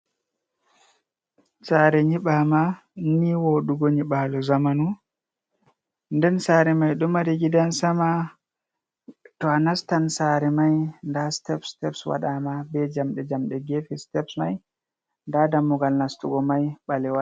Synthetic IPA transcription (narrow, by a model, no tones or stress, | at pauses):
saɾɛɲiɓama | niwoɗuɡɔɲiɓalɔzamanu | ndɛnsaːɾɛmajɗɔmaɾiɡidansama | tɔanastansaɾɛmajndastɛpstɛpswa̰ɗamabɛd͡ʒamɗɛd͡ʒamɗɛɡefistɛpsmaj | ndadamːuɡalnastuɡɔmajɓalɛwa